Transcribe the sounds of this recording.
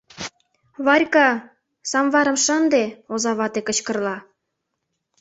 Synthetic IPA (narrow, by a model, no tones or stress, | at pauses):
βɑrʲkɑ | sɑmβɑɾə̆mʃɑnd̪eozɑβɑt̪ekə̆t͡ɕkə̆rlɑ